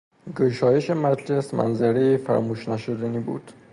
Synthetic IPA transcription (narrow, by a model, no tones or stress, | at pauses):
ɡoʃɒːjeʃemæt̪lesmæ̰nzæɾejifæ̰ɾmuːʃnæʃod̪æniːbṵːd̪̥